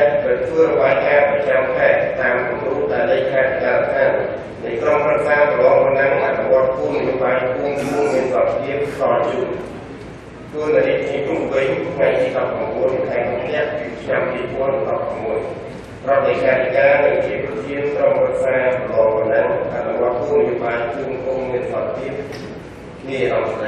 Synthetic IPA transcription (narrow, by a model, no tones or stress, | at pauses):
at̪ʰʋəːrɔɓaːjkaːprɑt͡ɕamkʰaɛt̪̚t̪ːaːmkumruːp̚ɗaɛlːeːkkʰːaɛt̪ʰikaːlt̪ʰaːn | nɨjkromprɨk̚saːt̪əlɔːŋʋanaŋʔat̪̚nuʋŏət̪̚kunijoːɓaːjpʰuəmmuəŋmiənsɑt̪̚iənkʰsɑt͡ɕuən | t̪uənlatikʰnipupʋɨɲt̪ʰŋajt̪iːɗɑp̚ːramɓuənt̪ʰaɛŋʔup̪ʰnɛ̆əʔpit͡ɕʰnampiːpuənɗɑp̚ʰːramːuəj | prɔt̪ːekʰaːt̪ikaːnɨŋt͡ɕiːprɑt̪ʰiənkromprək̚saːtəlɔːŋpanaŋʔa̰ʔnuʋoət̪̚kuəŋnijoːɓaːjpʰuəmkuŋmiənsɑt̪̚t̪iəp̚ʰ | niəɗɑms